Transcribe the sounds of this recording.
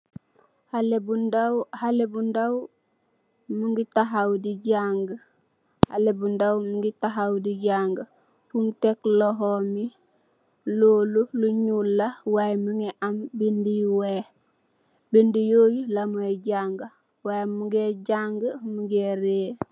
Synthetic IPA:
halebundawhalebundaw | muŋɡitaɦawdiɟaŋɡ | ha̰lebundawmuŋɡitaɦawdiɟaŋɡa | puŋtekloɦomi | loːluluɲulːawajemuŋeʔambindiwe | bindijoːjilamueɟaŋɡa | wajmuŋɡeɟaŋɡəmuŋɡeɾeː

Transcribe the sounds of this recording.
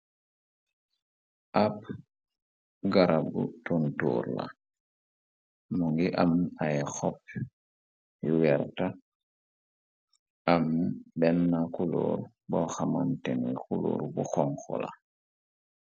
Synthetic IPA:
ʔap | ɡaɾabutuntuːɾla̰ | muŋɡiʔamnaxɔp | juwɛɾta | ʔamnbɛnːakulo̰ɾ | bɔxama̰ntɛŋɡikulo̰ːɾbuxɔŋxɔ̰la̰

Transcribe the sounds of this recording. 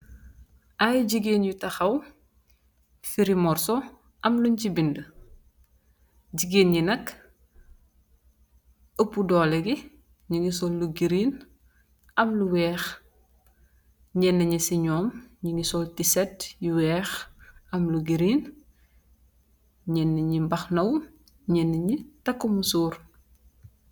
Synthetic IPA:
ʔajɟiɡeːnjutɐxɐw | fiɾimɔrsɔ | ʔɐmluɲcibində | ɟiɡeːnjinɐk | əpːudɔːlɛɡi | ɲiŋɡisɔlːuɡiɾiːn | ʔɐmluwɛːx | ɲɛnːəɲisiɲɔːmɲiŋɡisɔltisɛtjiwɛːxɐmluɡiɾiːn | ɲɛnːəɲimbɐxnɐw | ɲɛnːəɲitɐkːumusuːɾ

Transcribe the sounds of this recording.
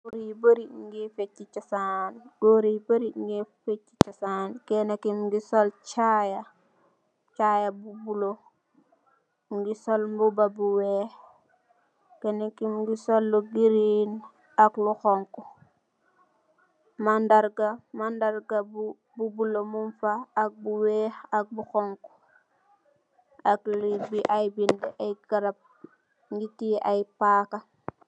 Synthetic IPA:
ɡoɾiboɾiŋɡifet͡ʃːit͡ʃasaːnɡoɾibəɾiŋɡifet͡ʃːit͡ʃasaːnkɛnekimɡisɔlt͡ʃaːja | t͡ʃaːjabubulo | ŋɡisɔlmbubabuwɛ | kɛnekimɡisɔlːuɡiɾin | akluxɔŋku | mandaɾɡamandaɾɡabu | bubulomunfaːk̚buwɛːxak̚buxɔŋku̥ | aklibiʔajbindɛʔajɡaɾap̚ | ɡitiajpaːka

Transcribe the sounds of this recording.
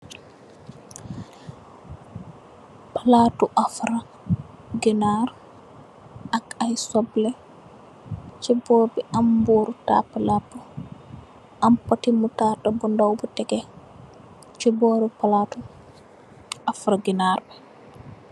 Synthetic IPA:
palatuʔafɾa | ɡinaɾ | akajsɔblɛ | t͡ʃɛbɔːɾbɛʔamboɾuta̰pːalapːɔ | ʔampatimutatabɔndawbɔtɛɡɛ | t͡ʃɛbɔːɾɛpalatu | afɾaɡinaɾbɛ

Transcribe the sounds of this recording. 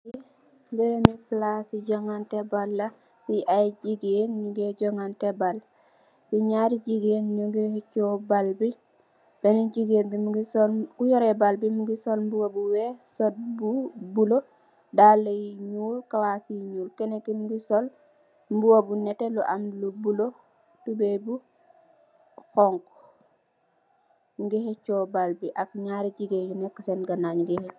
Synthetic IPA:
i | mbiɾemiplasiɟɔŋantɛbalːa | biʔajd͡ʒiɡenɲuɡeɟɔŋantɛbal | biɲaɾid͡ʒiɡenɲuɡeht͡ʃɔbalbi | b̥ɛnid͡ʒiɡenbimuɡisɔlkujɔɾɛbalbimuɡisɔlmbuwabuwɛsɔt̚bubulo | daːlɐjiɲuːlkawasiɲuːlkɛnekimuɡisɔl | mbuwabunɛtɛluʔamlubulo | tubebu | xɔŋk | ɡihɛt͡ʃɔːbalbiʔak̚ɲaɾiɟiɡejunɛkːəsɛnɡanaːɲuɡɛhɛ

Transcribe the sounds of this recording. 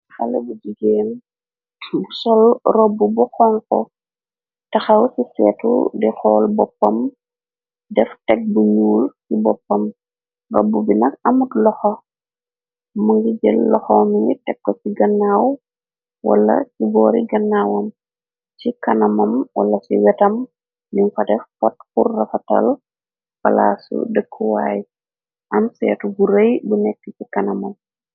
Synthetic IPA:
xɐlɛbudiɡem | busɔlrɔbːubuxɔŋkɔ̰ | tɐxɐwsisɛːtṵdixɔːlbɔpːɐm | dɛftɛk̚buɲuːlsibɔpːɐm | rɔ̰bːubinɐkɐmutlɔxɔ | muŋɡiɟəlːɔxɔmiitɛkːɔsiɡɐnːaːw | wɐ̰lːɐ̰kibɔːɾiɡɐnːaːwɐm | t͡ʃikɐnɐmɐmwɐ̰lːɐsiwɛtɐm | niŋfɐtɛfɔt̚xurːɐfɐtɐ̰l | fɐ̰la̰sṵdəkʰːuwa̰ːj | ʔɐmsɛ̰ːtubuɾəjbunɛkːəcikɐnɐmɐm

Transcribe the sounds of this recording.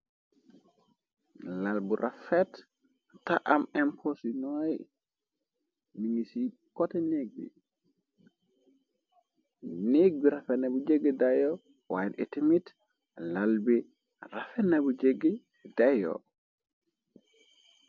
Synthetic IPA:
lalbuɾʔafɛt | tːaʔamɛmpʰosinɔj | niŋisi | kɔtɛneɡ̚bḭ | neɡ̚biɾafɛnabud͡ʒeɡːidajɔ | wa̰jnetimit | lalbi | rafɛnːabud͡ʒeɡːi | dajɔ̰

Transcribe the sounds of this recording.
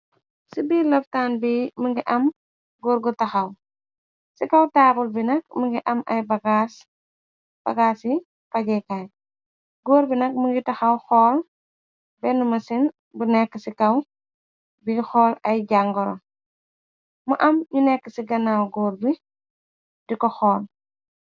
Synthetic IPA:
sibiːlɔftanbiməŋɡiʔɐm | ɡuːɾɡɔtɐxɐw | sikɐwtaːbulbinɐkməŋɡiʔɐmʔɐjbɐɡas | b̥ɐɡaːsi | pɐɟɛkaj | ɡoːɾbinɐk̚muŋɡitɐxɐwxɔːl | bɛnumɐsin | bunɛkːəsikɐw | bixɔːlɐjɟaŋɡɔɾɔ̰ | mɐʔɐmɲunɛkːəsiɡɐnawɡuːɾbi | dikɔxɔːl

